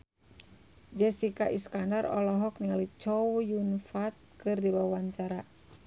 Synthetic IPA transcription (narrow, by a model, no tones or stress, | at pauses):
d͡ʒɛsikaʔiskandarɔ̰lɔɦɔk̚niŋalit͡ʃɔwjunfat̪̚kɨrdiwawaɲt͡ʃaɾa